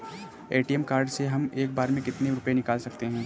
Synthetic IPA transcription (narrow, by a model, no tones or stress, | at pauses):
eːʈijɛmkaːɾɖseɦɐmeːk̚baːɾmẽkɪt̪neɾʊpenɪkaːlsɐk̚t̪eɦɛ̃ː